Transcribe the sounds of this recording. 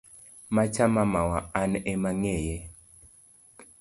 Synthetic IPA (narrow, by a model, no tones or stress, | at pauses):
mat͡ʃamamawaanɛmaŋɛjɛ